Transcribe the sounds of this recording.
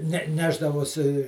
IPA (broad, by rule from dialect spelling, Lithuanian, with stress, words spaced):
nʲɛ ˈnʲæːʒdɐʋoːsʲɪ